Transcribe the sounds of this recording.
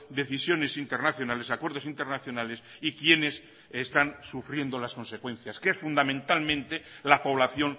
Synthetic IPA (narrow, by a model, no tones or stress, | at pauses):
d̪e̞θisjo̞ne̞sint̪eɾnaθjo̞nale̞sakwe̞ɾðosint̪eɾnaθjo̞nale̞s | ikje̞ne̞s | est̪ansufɾje̞nd̪o̞lasko̞nse̞kwẽ̞n̟θjaskeesfund̪amẽnt̪almẽ̞nt̪e̞lapo̞β̞laθjo̞n